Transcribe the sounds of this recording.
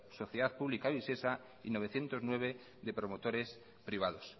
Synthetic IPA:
so̞θjeðaθpuβlikaβise̞sa | ino̞β̞e̞θje̞nt̪o̞znwe̞β̞e̞ | ðe̞pɾo̞mot̪o̞ɾe̞s | pɾiβ̞að̞os

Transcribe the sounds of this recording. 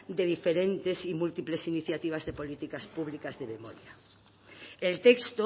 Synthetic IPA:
d̪eð̞ifeɾent̪esimult̪iplesiniθjat̪iβ̞azðepolit̪ikaspuβ̞likazðememoɾja | elt̪ekst̪o

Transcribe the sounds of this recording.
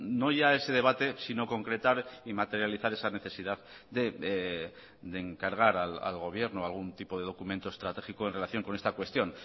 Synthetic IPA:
no̞ʝae̞se̞ð̞e̞β̞at̪e̞sino̞ko̞ŋkɾe̞t̪aɾimat̪e̞ɾjaliθaɾe̞sane̞θe̞siðað | d̪e̞ | d̪eːŋkaɾɣ̞aɾala̰lɣo̞β̞je̞ɾnoalɣ̞unt̪ipo̞ðe̞ð̞o̞kumẽ̞nt̪o̞e̞st̪ɾat̪e̞xikoe̞nre̞laθjo̞ŋko̞ne̞st̪akwe̞st̪jo̞n

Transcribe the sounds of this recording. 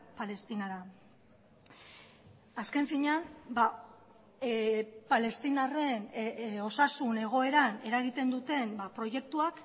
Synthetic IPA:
pale̞st̪inaɾa | aske̞ɱfiɲanba | pale̞st̪inare̞no̞sasune̞ɣ̞o̞e̞ɾane̞ɾaɣ̞it̪e̞nd̪ut̪e̞mbapɾo̞je̞k̚t̪uak

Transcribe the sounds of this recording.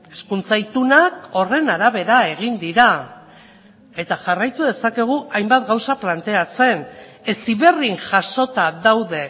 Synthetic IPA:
e̞skunt͡sajt̪unako̞re̞naɾaβe̞ɾae̞ɣind̪iɾa | e̞t̪aʝarajt̪uðe̞sake̞ɣ̞uʔajmbat̪ɡawsaplant̪e̞at͡se̞n | e̞siβe̞riŋʝaʃo̞t̪aðawðe̞

